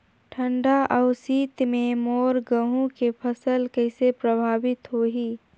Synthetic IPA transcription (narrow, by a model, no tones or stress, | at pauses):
ʈʰə̃ɳɖaʔəʊsiːt̪mẽmoːɾɡəɦũkepʰəsəlkəɪsepɾəbʱaːʋɪt̪ɦoːɦiː